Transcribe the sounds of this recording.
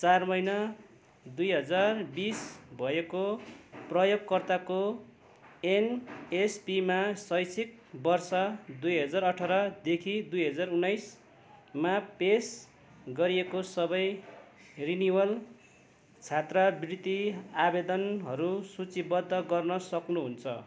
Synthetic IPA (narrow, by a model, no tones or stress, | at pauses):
t͡sarmʌjnʌ | d̪ujɦʌd͡zarbisbʱʌekoprʌjoɡkːʌrt̪ako | enespimasʌjsʰik̚ | bʌrsʌd̪ujɦʌd͡zarʌʈʰʌɾʌd̪ekʰid̪ujɦʌd͡zarunajs | mapes | ɡʌɾiekosʌbʌj | riniwʌl | t͡sʰat̪rabrit̪iabed̪ʌnɦʌɾusut͡sibʌd̪ʱːʌɡʌrnʌsʌknuɦunt͡sʰʌ